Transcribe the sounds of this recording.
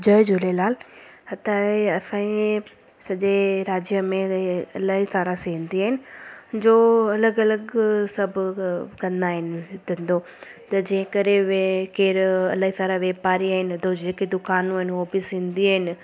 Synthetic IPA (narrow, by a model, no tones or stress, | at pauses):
d͡ʑəːɪd͡ʑʊlelaːlhɐt̪aːeɐsãːĩ | sɐʄeɾaːd͡ʑjəmẽɐlaːɦisaːɾaseĩːnd̪iaːɦɪnɪ̆d͡ʑoːɐləɡɐləɡsɐbʱʊkɐ̃nd̪aːɦɪnɪt̪ʰə̃nd̪oː | t̪ɐd͡ʑẽːɦɪ̃kəɾeʋkeːɾɐlaːɦisaːɾaʋeːpaːɾiaːɦɪnɪd̪od͡ʑeːked̪ʊkaːnũaːɦɪnɦoːbɪsɦĩːnd̪iaːɦɪnɪ̆